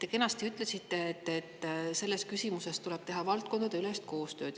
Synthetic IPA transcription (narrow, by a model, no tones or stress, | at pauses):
t̪e̞ke̞nɑst̪iyt̪ˑle̞sit̪ːe̞et̪ːˑet̪ːse̞lːe̞skysʲimuse̞st̪ule̞b̥̚t̪e̞ɦɑvɑlt̪̚ko̞nd̪ɑd̪eyle̞st̪̚ko̞ːst̪ø̞ːd̪̥